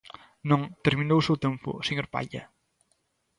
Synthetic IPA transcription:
nɔŋt̪əɾminowsewt̪empṵsəɲoɾpa̰ʎə̰

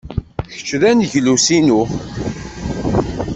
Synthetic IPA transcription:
çə̥t͡ʃːɾænʝlusinu

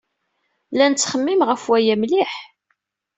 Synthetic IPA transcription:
lænət͡sːχəmːimʁəfwæjæmliħ

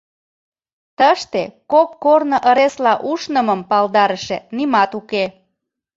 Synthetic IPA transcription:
t̪əʃt̪ekokːornəʔəɾeslɑʔuʃnəməmpɑld̪ɑɾəʃenimɑt̪uke

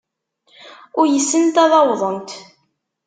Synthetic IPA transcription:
ʊɾjəsːənt̪ɑðˤɑwðˤənt̪

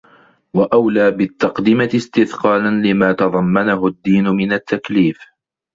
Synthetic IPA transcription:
waʔawlaːbɪt̪ːɑqd̪ɪmat̪ɪst̪ɪðqɑːlanlɪmaːt̪ɑðˤɑmːanaɦʊd̪ːiːnʊmɪnat̪ːakliːf

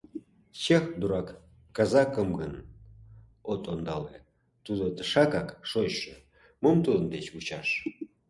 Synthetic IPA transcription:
ɕexd̪uɾɑkː | ɑzɑkə̆mɡən | ot̪ond̪ɑle | t̪ud̪ot̪əʃɑkɑkʃoɕːə̰̆ | momt̪ud̪ə̆nd̪et͡ɕut͡ɕɑʃ

